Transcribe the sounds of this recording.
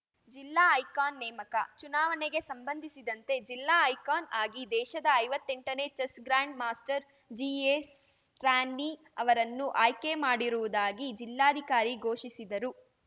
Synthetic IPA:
d͡ʒilːaːɐjkaːnːɛːmɐkɐt͡ʃunaːʋɐneɡe̞sɐmbɐnd̪ʱisid̪ɐnt̪e̞d͡ʒilːaːɐjkaːnaːɡid̪ɛːʃɐd̪ɐːjʋɐt̪ːe̞ɳʈɐne̞ːt͡ʃɐsɡɾaːɳɖmaːsʈɐɾ | d͡ʒies | ʈɾaːnːi | ɐʋɐɾɐnːuʔaːjke̞maːɽiɾuʋud̪aːɡid͡ʒilːaːd̪ʱikaːɾiɡʱo̞ːʃisid̪ɐɾu

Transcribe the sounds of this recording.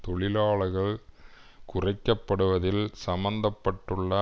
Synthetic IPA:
t̪ɔɭɪlaːɭɐɣɐɭ | kʊrɐɪkːɐpːɐɽɯʋɐðɪlsɐmɐnd̪ɐpːɐʈːɯɭːɐ

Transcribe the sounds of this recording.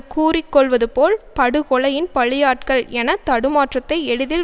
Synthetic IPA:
kuːrɪkːɔɭʋɐðɯpoːlpɐɽɯɣɔɭɐjɪnpɐɭɪjaːʈkɐɭɛnɐt̪ːɐɽɯmaːʈrɐt̪ːɐɪɛɽɯðɪl

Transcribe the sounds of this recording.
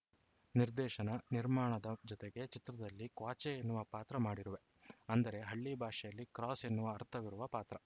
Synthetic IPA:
niɾd̪ɛːʃɐnɐniɾmaːɳɐd̪ɐd͡ʒɔt̪eɡe̞t͡ʃit̪ɾɐd̪ɐlːikʋaːt͡ʃɛenːuʋɐpaːt̪ɾɐmaːɽiɾuʋe̞ | ɐnd̪ɐɾe̞ɦɐɭːibʱaːʂɛjɐlːikɾaːsenːuʋɐɐɾt̪ʰɐʋiɾuʋɐpaːt̪ɾɐ

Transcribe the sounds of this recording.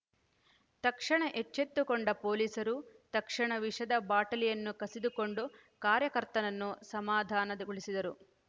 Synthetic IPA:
t̪ɐkʂɐɳɐʔet͡ʃːet̪ːukoɳɖɐpo̞ːliːsɐɾut̪ɐkʂɐɳɐʋiʂɐd̪ɐbaːʈɐlijɐnːukɐsid̪ukoɳɖu | kaːɾjɐkɐɾt̪ɐnɐnːusɐmaːd̪ʱaːnɐd̪ɐɡuɭisid̪ɐɾu

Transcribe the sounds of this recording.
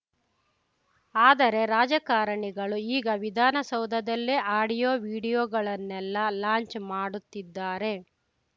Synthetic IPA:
aːd̪ɐɾe̞ɾaːd͡ʒɐkaːɾɐɳiɡɐɭuiːɡɐʋid̪ʱaːnɐsɐwd̪ʱɐd̪ɐlːeʔaːɽijoːʋiːɽijoːɡɐɭɐnːɛlːɐlaːɲt͡ʃmaːɽut̪ːid̪ːaːɾe̞

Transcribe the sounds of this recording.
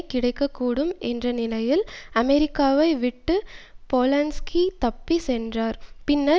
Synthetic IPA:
kːɪɽɐɪkːɐkːuːɽɯmʔɛndrɐnɪlɐjɪlɐmɛɾɪkːaːʋɐɪʋɪʈːɯpoːlɐnskit̪ɐpːisɛndraːɾpɪnːɐ

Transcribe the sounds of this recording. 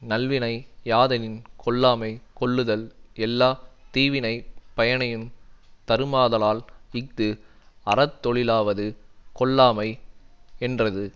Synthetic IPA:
nɐlʋɪnɐɪjaːðɐnɪnkɔɭːaːmɐɪkɔɭːɯðɐlɛlːaːt̪iːʋɪnɐɪpɐjɐnɐjɯmt̪ɐɾɯmaːðɐlaːlɪk̚t̪ɯ | ɐɾɐt̪ːɔɭɪlaːʋɐðɯkɔɭːaːmɐɪɛndrɐðɯ

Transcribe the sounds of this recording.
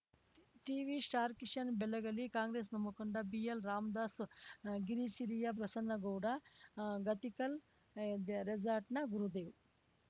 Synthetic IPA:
ʈiːʋisʈaːɾkiʂɐnbelɐɡɐlikaːŋɡɾeːsnɐmukɐɳɖɐbijelɾaːmd̪aːsɡiɾisiɾijɐp̬ɾɐsɐnːɐɡowɽɐɡɐt̪ikɐl | ɾed͡ʒaːɾʈnɐɡuɾud̪eːw

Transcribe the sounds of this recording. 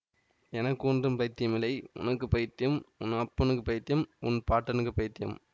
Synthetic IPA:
ɛnɐkːɯʊndrɯmpɐjɪt̪ːɪjɐmɪlɐɪʊ̰nɐkːɯpɐjɪt̪ːɪjɐmʊnːɯɐpːɐnɯkːɯpɐɪt̪ːɪjɐmʊ̰npaːʈːɐnɯkːɯpɐjɪt̪ːɪjɐ̰m

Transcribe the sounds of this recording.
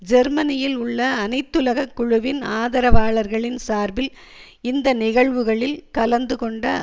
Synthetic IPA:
d͡ʒɛɾmɐnɪjɪlʊɭːɐːnɐɪt̪ːɯlɐɣɐkːʊɻʊʋɪnaːðɐɾɐʋaːɭɐɾɣɐɭɪnsaːɾbɪl | ɪnd̪ɐnɪɣɐɭʋɯɣɐɭɪlkɐlɐnd̪ɯkɔɳɖɐ

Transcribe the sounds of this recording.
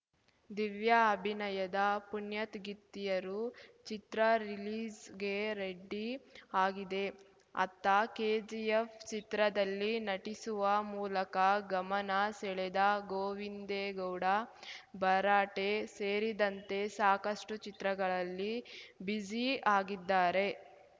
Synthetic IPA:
d̪iʋjɐːbʱinɐjɐd̪ɐpunjɐt̪ɡit̪ːijɐɾut͡ʃit̪ɾɐɾiliːd͡ʒɡe̞ɾeɖːiaːɡid̪e̞ | ɐ̰t̪ːɐkeːd͡ʒiefʰt͡ʃit̪ɾɐd̪ɐlːinɐʈisuʋɐmuːlɐkɐɡɐmɐnɐsɛɭed̪ɐɡoːʋind̪eɡɐwɽɐbɐɾaːʈe̞seːɾid̪ɐnt̪e̞saːkɐʂʈut͡ʃit̪ɾɐɡɐɭɐlːibid͡ʒiaːɡid̪ːaːɾe̞

